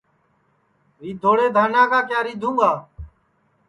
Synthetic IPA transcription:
ɾiːd̪ʱoːɽeːd̪ʱaːnãːkaːkjaːɾiːd̪ʱũːŋaː

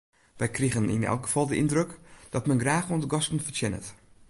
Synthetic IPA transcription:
ʋɛjkriɣənḭnɛ̰lˠkɡəv̥ɔlˠdəʔindrøkd̥ɔtmɛnɡraːxondəɡɔstənfərtjɛnə̰t

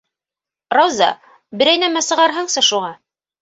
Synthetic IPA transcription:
rɑwzɑ̰ | bɘ̆ɾæjnæmæsɤ̆ʁɑɾɦɤɴsɤʃuʁɑ

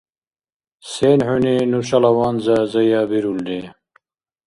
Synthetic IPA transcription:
seːnhuninuɾɕɐlɐwaːnzazɐjaːbiɾuld̪e

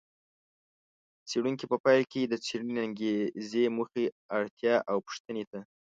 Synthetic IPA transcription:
t͡seɽuŋkipəpɑjlked̪ət͡seɽuneaŋɡezemuxe | aɽt̪jɑʔawpʊ̥ʂt̪ənet̪a

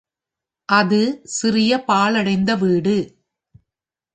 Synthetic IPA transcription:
ʔɐðɯsɪrɪjɐpaːɭɐɽɐɪnd̪ɐʋiːɽɯ

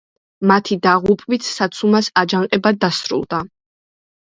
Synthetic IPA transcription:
mat̪ʰid̪aʁupʼvit̪ʰsat̪sʰumasad͡ʒaŋqʼɛbad̪ːasɾṵlˠd̪̥a

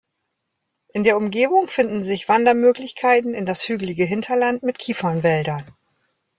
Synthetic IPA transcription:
ʔɪndeːɐʊmɡeːbʊŋfɪndn̩zɪçv̥andɐmøːklɪçkʰaɪtn̩ɪndashyːɡlɪɡəɦɪntʰɐlantmɪtkʰiːfɐnvɛldɐn

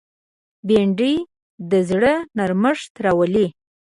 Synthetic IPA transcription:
beɳɖij | d̪əzɽənaɾməʂt̪ɾawəli

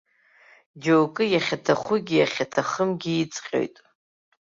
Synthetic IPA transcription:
d͡ʒowkʼɨjaχʲatʰaχʷʊɡʲijaχʲatʰaχəmɡʲiːt͡sʼqʲʼo̰jtʼ

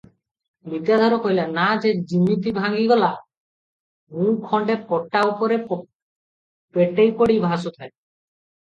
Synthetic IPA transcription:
mit̪ijad̪ʱaɾokoɦjlanad͡ʑed͡ʑimːit̪ibʱaŋɡiɡɔla | mũkʰɔɳɖepɔʈːaupoɾe | peʈːejpoɽijbʱãsot̪ʰaj

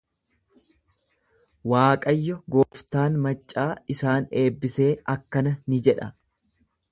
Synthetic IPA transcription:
waːkʼɐjːɔɡo̞ːft̪aːnmɐt͡ʃʼːaːɪsaːne̞ːbːɪse̞ːʔɐkːɐnɐnɪd͡ʒɛᶑɐ

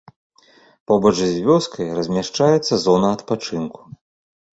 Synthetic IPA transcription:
pɔbɔt͡ʂzʲvʲɔskʰɐjrɐzʲmʲaʂt͡ʂajɛt̪sːɐzɔnɐːt̪pat͡ʂɨnku̥

